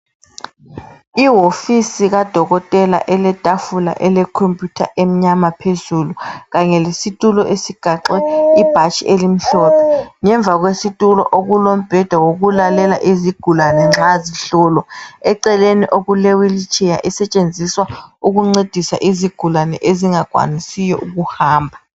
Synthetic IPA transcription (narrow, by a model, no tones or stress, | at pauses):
iwofisiɣad̥ʱɔɣɔtʼɛla̰ʔɛlɛtʼafula̰ʔɛlɛkʰompʼjutʰa̰ʔem̩ɲamapʰezuluɣaɲɛlesitʼulɔʔesiɡ̥ʱaǁwɛib̥ʱat͡ʃʰʼielim̩ɬɔːpʰɛŋɛɱb̪vʱaɣwesitʼulɔ̰ʔoɣulom̩b̥ʱɛd̥ʱawoɣulalɛla̰ʔiziɡ̥ʱulanɛŋ͡ǁaziɬɔːlɔɛǀɛleniʔoɣulewilit͡ʃʰʼɛja̰ʔisɛt͡ʃʼend͡zʱiswauɣuŋ͡ǀed̥ʱisa̰ʔiziɡ̥ʱulanɛ̰ʔeziŋaɡ̥ʱwa̰nisijɔʔuɣuhaːmbʱa